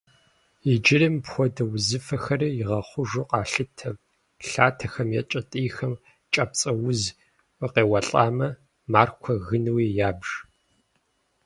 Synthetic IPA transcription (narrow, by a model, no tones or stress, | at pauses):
id͡ʒɪrimpxʷɔdɐwzɨfɐxɐrijɪʁɐχʷʊʒoqʼɑːɬɨtʰɐ | ɬaːtʰɐxɐmjɛt͡ʃʼɐtʼiːxɐm | t͡ʃʼɐp̚t͡sʼɐwʊz | ɨqeːwɐɬʼaːmɐ | maːrkʷʰɔɣɨnɨwijaːbʒ̥